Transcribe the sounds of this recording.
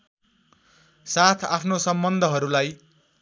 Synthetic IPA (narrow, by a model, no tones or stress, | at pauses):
sat̪ʰa̰pʰnosʌmbʌnd̪ʱʌɦʌɾulaj